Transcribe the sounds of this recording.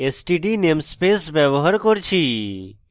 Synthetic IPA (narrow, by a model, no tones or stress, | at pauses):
esʈiʈinemspesʋeʋɦəɾkɔɾt͡ʃʰi